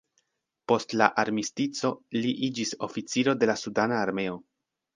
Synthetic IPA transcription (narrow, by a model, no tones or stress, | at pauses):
po̞stla̰ʔaɾmistit͡so̞liʔid͡ʒiso̞̰fit͡siɾo̞de̞lasudanaːɾme̞o̞